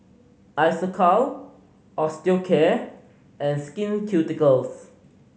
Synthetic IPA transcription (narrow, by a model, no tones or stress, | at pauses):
ʔajsəkʰɔl | ʔɔstikʰɛ | ʔɛ̃nskĩnkʰjutikəls